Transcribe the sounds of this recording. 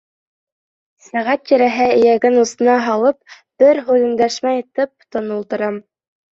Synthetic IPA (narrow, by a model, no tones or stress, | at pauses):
sæʁæt̪̚tiɾæɦɘɘ̆jæɡɘnusɤ̆nɑɦɑlˠɤp̚ | b̥ɘɾɦʉðɘ̆nd̪æʃmæjĭt̪ɤp̚t̪ŏnɤ̆lˠt̪ɤ̆ɾɑm